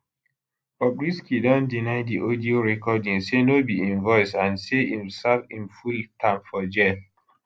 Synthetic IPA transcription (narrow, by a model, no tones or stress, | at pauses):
bɔbɹiskidɔ̃ndinaɪdiʔodioɹɛkɔdĩŋsenobiĩnvɔɪsãnseĩmsavĩmfultʰãmfɔd͡ʒɛl